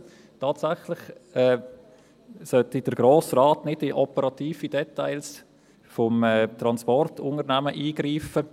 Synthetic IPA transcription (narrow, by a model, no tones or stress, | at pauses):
tʰaːtsaχlɪχɛː | sœtid̥əɾɡ̥ɾoːsraːtnɪdɪʔɔpəɾɑtiːfid̥ɛtaɪls | fɔmɛt̪ɾɑnspɔrtʰʊnəɾnæməʔiːɡ̥ɾiːfə